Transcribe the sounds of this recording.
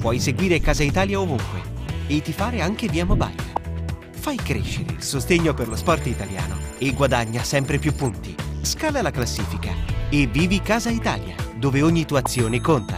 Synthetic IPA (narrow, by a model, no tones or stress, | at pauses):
pwɔjseɡwiːɾekaːzait̪aːljaovuŋkwḛet̪ːifaːɾeaŋk̟eviːamoba̰jl | fajkɾḛʃːeɾḛilsost̪eɲːoperlospɔrt̪it̪alja̰ːno̰eɡwad̪aɲːasɛmpɾepjupːunt̪iskaːlalaklasːiːfika̰evːiːvikaːzait̪a̰ːlja̰d̪oːveoɲːit̪uat̪sːjoːnekont̪a̰